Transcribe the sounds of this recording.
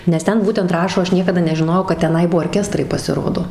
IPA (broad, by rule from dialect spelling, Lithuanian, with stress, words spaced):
nʲɛs ˈtʲɛn ˈbuːtʲɛnt ˈrɑːʃoː ˈɐʃ ˈnʲiɛkɐdɐ nʲɛʒʲɪˈnoːjɛʊ kɐt tʲɛˈnɐɪ ˈbʊʋoː oːrʲˈkʲæːstrɐɪ pɐsʲɪˈroːdoː